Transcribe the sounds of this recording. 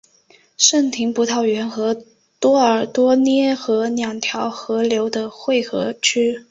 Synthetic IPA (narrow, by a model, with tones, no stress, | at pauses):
ʂə˥˩ŋt̪ʰi˧˥ŋpu˧˥t̪ʰɑ˥˩ʊɥɛ˧˥nxɤ˧˥ | t̪wɔ˥ə˞˨˩t̪wɔ˥njɛ˥xɤ˧˥njɑ˨˩ŋt̪ʰjɑ˧˥ʊxɤ˧˥ljo˧˥ʊd̪ə˧xwe˥˩ɪxɤ˧˥t͡ɕʰy˥